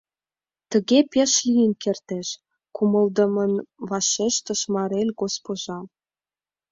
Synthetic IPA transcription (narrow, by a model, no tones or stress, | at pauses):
t̪ə̆ɣepeʃlijənkert̪eʃ | kumɤ̆ld̪ə̆mə̆nβɑʃeʃt̪ə̆ʃmɑɾelʲɡospoʒɑ